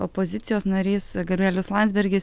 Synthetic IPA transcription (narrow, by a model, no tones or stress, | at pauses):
opozʲɪt̪sʲɪjoːsnɐɾʲiːsɡɐbʲæːlʲʊslˠɑnt̪zbʲɛɾʲɡʲɪs